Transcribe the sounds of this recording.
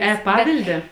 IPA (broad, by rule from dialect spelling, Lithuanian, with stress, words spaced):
ɛˈpɑːʋʲɪlʲdʲɛ